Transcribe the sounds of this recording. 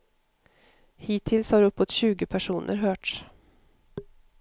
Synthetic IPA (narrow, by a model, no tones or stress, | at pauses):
hiːt̪ʰːɪlshɑɾɵpːot̪ɕʉ̟ːɡəpʰæʂuːnʔə̰ɾɦøːʈʂ